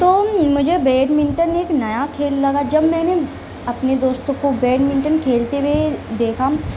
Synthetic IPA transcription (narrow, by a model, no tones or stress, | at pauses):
t̪oːmʊd͡ʒʱebeːɖmɪ̃ɳʈəneːknɐjakʰeːlːɐɡad͡ʒɐbmɛ̃ːne | ɐpned̪oːst̪õkobeːɖmɪ̃ɳʈənkʰeːlt̪eʋed̪eːkʰa